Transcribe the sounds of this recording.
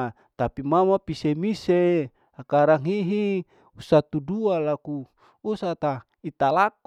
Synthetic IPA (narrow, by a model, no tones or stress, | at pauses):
t̪apimamapisemise | akaɾaŋiɦi | usat̪udualaku | usat̪a | it̪alak̚